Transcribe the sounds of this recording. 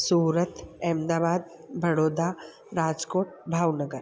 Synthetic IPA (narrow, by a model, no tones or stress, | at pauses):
suːɾət̪ɛːmd̪aːʋaːd̪bʱɐɽoːd̪aː | ɾaːd͡ʒkoːʈ̚bʱaːwnəɡəɾ